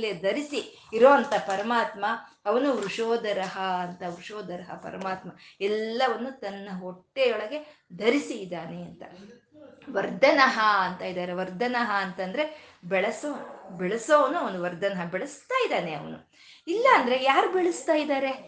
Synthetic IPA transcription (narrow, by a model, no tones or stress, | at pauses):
led̪ʱɐɾisiː | ɾoːɐnt̪ɐpɐɾɐmaːt̪mɐ | ɐʋɐnuʋɾuʂoːd̪ɐɾɐɦɐɐnt̪ɐʋɾuʂoːd̪ɐɾɐɦɐ̰pɐ̰ɾɐmaːt̪mɐɛlːɐʋɐnːut̪ɐnːɐɦoʈːejɔɭɐɡe̞ | d̪ʱɐɾisiːd̪aːneɐnt̪ɐ | ʋɐɾd̪ʱɐnɐɦɐɐnt̪ɐid̪aːɾeʋɐɾd̪ʱɐnɐɦɐːnt̪ɐnd̪ɐɾe̞bɛɭɐsoːbɛɭɐsoːʋɐnːuɐʋɐnd̪uʋɐɾd̪ʱɐnɐɦɐbɛɭɐst̪aːjid̪aːneɐ̰ʋɐ̰nu | ilːɐːnd̪ɐɾejaːɾubeɭɐst̪aːjid̪aːɾe̞